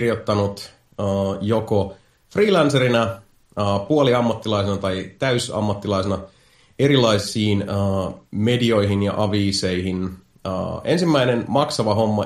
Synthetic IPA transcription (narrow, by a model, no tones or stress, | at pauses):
rjot̪ːɑnut̪ | əːjoko | friːlænseɾinæ | əːpuoliɑmːɑt̪ːilɑjsenɑt̪ɑjt̪æysɑ̰mːɑt̪ːilɑisenɑ | e̞ɾilɑisˑiːnəme̞dio̞jɦinjɑ̰ʔɑʋiːse̞iɦin | ə̰ːe̞nsimːæine̞nmɑksɑʋɑɦo̞mːɑ